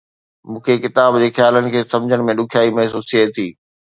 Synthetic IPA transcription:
mũːkʰekɪt̪aːbd͡ʑeːxjaːlənɪ̆kʰeːsɐ̃md͡ʑʱəɽ̃mẽɗʊkʰijaːimɐɦsuːsʰieiː

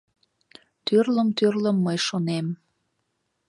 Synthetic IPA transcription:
t̪ørləmt̪ørləmːəjʃonem

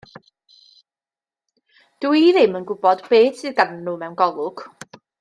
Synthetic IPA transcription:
d̥uiðɪmənɡʊbɔdbeːtʰɨɡannʊmɛwnɡɔlˠʊɡ̥

